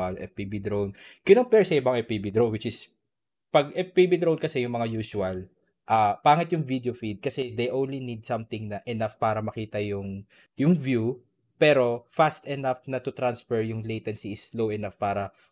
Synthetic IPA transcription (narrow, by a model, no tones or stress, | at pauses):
ɐlʔɛ̰pibid̪ɾownkɪnoŋpɛɹsɐɪbɐŋɛpibid̪ɾonwɪt͡ʃɪs | pɐɡɛpːibid̪ɾownkɐsɛjʊŋmɐŋajuːsʊɐl | ʔɐpaːŋɪt̪jʊŋvid̪eofid̪̚kɐsɛd̪ejʔõnlinid̪̚sɐmt̪ɪŋnɐʔɛnafpaːɾɐmɐkiːt̪ɐjʊŋ | jʊŋvju | pɛɾo̞fast̪ɛnɐfnɐt̪ʊt̪ɾansfɛɹjʊŋlejt̪ɛnsiɪslowɛnafpaːɾɐ